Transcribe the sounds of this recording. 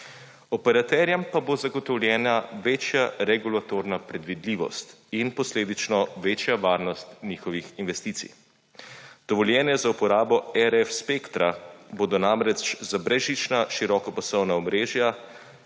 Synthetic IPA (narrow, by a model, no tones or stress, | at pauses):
ɔpɛɾat̪ɛɾjɛmpabozaɡɔt̪ɔwljɛːnaʋeːt͡ʃjaɾɛɡulat̪oɾnapɾɛd̪ʋid̪liːʋɔ̰st̪inpɔsleːd̪it͡ʃnɔʋeːt͡ʃjaʋaːɾnɔst̪nʲixɔʋixinʋɛst̪iːt̪sḭj | d̪̥ɔʋɔljɛːnjɛzaupɔɾaːbɔɛɾɛfspeːkt̪ɾaboːd̪ɔnamɾɛt͡ʃzabɾɛʒit͡ʃnaʃiɾɔkɔpasɔwnaɔmɾeːʒja